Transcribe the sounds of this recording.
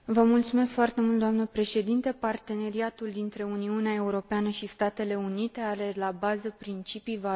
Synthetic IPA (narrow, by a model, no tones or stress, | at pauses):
vəmult̪sume̞skfoart̪e̞mult̪d̪oamnəpɾe̞ʃe̞d̪int̪e̞part̪e̞ne̞ɾiat̪uld̪int̪ɾe̞uniuneae̞uɾo̞peanəʃist̪at̪e̞le̞unit̪e̞aɾe̞labazəpɾint͡ʃipijva